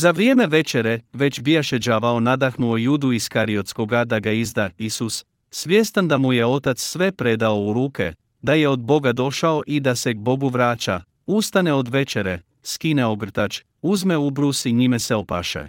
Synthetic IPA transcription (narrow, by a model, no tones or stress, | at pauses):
zaʋɾieːme̞ʋe̞t͡ʃe̞ɾe̞ʋe̞t͡ʃbijaʃed͡ʒaʋao̞nad̪axnuojuːd̪uiskaɾio̞t̪sko̞ɡad̪aɡaizd̪aisus | sʋjest̪and̪amuje̞o̞t̪at̪ssʋe̞pɾe̞d̪ao̞uɾuːkʰḛ | d̪aje̞o̞d̪̚bo̞ɡad̪o̞ʃao̞ʔid̪ase̞ɡ̚bo̞ɡuʋɾaːt͡ʃa̰ | ust̪ane̞o̞d̪ʋe̞t͡ʃeɾe | skineoɡr̩t̪at͡ʃ | uzme̞ubɾusiɲimeseo̞pa̰ʃḛ